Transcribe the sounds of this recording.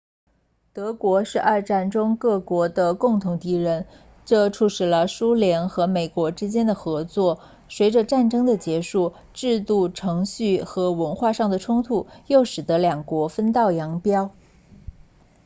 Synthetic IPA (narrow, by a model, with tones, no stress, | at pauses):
t̪ɤ˧˥kwɔ˧˥ʂɻ̩˥˧ʔɐ˥˧ʈ͡ʂa˥˩nʈ͡ʂʊ˥ŋkɤ˥˩kwɔ˧˥d̪ə˧kʊ˥˩ŋt̪ʰʊ˧˥ŋt̪i˧˥ɻə˧˥n | ʈ͡ʂɤ˥˧ʈ͡ʂʰu˥˩ʂɻ̩˨˩lə˧˦su˥ljɛ˧˥nxɤ˧˥me˨˩ɪkwɔ˧˥ʈ͡ʂɻ̩˥t͡ɕjɛ˥nd̪ə˨xɤ˧˥t͡swɔ˥˩ | swe˧˥ɪʈ͡ʂə˧ʈ͡ʂa˥˩nʈ͡ʂɤ˥ŋd̪ə˨t͡ɕjɛ˧˥ʂu˥˩ | ʈ͡ʂɻ̩˥˧t̪u˥˩ʈ͡ʂʰɤ˧˥ŋɕy˥˩xɤ˧˥wə˧˥nxwa˥˧ʂɑ˥˩ŋd̪ə˩ʈ͡ʂʰʊ˥ŋt̪ʰu˨˩jo˥˩ʊʂɻ̩˨˩d̪ɤ˧˥ljɑ˨˩ŋkwɔ˧˥fə˥nt̪ɑ˥˩ʊjɑ˧˥ŋpjɑ˥ʊ